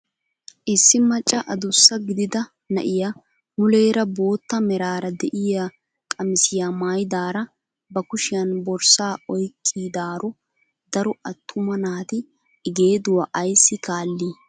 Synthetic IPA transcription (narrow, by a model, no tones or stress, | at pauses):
ʔɪsːɪmɐt͡ʃʼːɐʔɐd̪ʊsːɐɡɪd̪ɪd̪ɐ | nɐ̰ʔɪja | mʊle̞ːɾɐbo̞ːt̪ːɐmɛɾaːɾɐd̪ɛʔɪja | kʼɐmɪsɪjamaːjd̪aːɾɐ | bɐkʊʃɪjɐnbɔɾsaːɔjkʰʼːiːd̪aːɾɔ | d̪ɐɾɔʔɐt̪ʰːʊmɐnaːt̪ɪː | ɡe̞ːd̪ʊwaʔɐjsːɪkaːlːiː